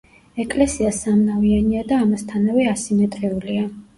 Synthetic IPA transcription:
ɛkʼlɛsiasamnavianiad̪aːmast̪ʰanavɛasimɛt̪ʼɾɛulia

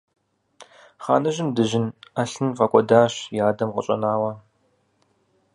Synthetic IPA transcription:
χa̰ːnɐʒɪmdɨʒɪnaɬɨnqɐkʷʼɔdaːɕjaːdɐmqə̰ɕʼɐ̰naːwɐ

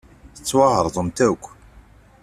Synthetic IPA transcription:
θə̥t͡sːwɑhəɾˤðˤəmt̪ækʷː

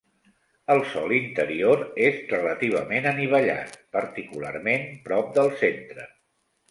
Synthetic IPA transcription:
əlˠsɔlint̪əɾioɾezrələt̪iβ̞ə̰menəniβ̞əʎa̰t̪̚pəɾt̪ikula̰ɾmenmpɾɔp̚d̪əlˠsent̪ɾə

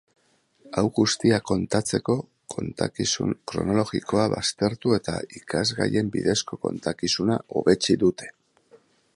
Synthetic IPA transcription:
awɣust̪iako̞nt̪at͡se̞ko̞ | ko̰nt̪akisṵkɾo̞̰no̞lo̞ɣiko̞aβa̰st̪e̞ɾt̪ue̞t̪a̰ikazɣa̰je̞mbiðe̞sko̞ko̞̰nt̪akisunao̞̰βe̞t͡siðut̪e̞̥

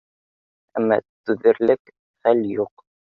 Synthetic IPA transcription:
æmːɑ̰t̪ʉðɘ̆ɾlɘk | χæljuq

